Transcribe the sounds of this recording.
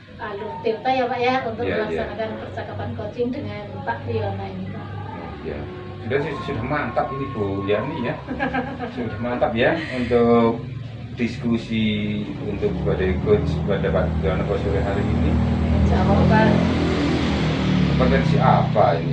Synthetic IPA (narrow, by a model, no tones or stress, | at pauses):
aluht̪ipt̪ajapaʔjaunt̪ʊjkalajanakanpərt͡ʃakapankot͡ʃɪŋdəŋaup̪aʔ̚dilamaininu | a̰ | ja̰ | dasisudahmant̪apinikujanija | sudahmant̪ap̚jaunt̪ʊk̚ | diskusiunt̪ʊk̚əbadajkot͡ʃbadapat̪ɡalanakasuɾaɦaɾiinit͡ʃamaka | əpɔt̪ɛnsiʔapaini